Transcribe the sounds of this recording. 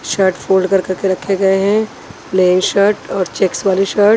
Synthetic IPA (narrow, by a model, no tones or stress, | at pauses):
ʃəɾʈfʰoːlɖkɐɾkɐɾkeɾɐkʰːeɡɐeɦɛ̃ | leːnʃəɾʈɔːɾt͡ʃeːksʋaːliʃəɾʈ